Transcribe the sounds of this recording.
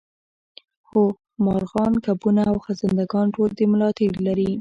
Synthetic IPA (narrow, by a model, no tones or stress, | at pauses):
xo | mɑɾɣɑnkapunaːwxazɪnd̪aɡɑnʈold̪əmlɑt̪ɪɽlaɾi